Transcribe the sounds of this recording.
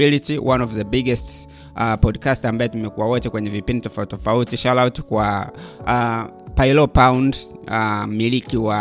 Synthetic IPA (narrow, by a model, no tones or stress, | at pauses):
ilitiwʔanɔvðəbiɡɛst | pɔdkastambaɛtumɛkuwawɔtɛkwɛɲɛvipinditɔfautɔfautiʃalawtkwa | pailɔpawnd | milikiwa